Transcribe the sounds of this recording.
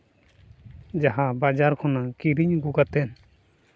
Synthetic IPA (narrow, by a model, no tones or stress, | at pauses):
d͡ʒaɦabad͡ʒaɾkʰɔnakiɾiɲɡukat̪ɛn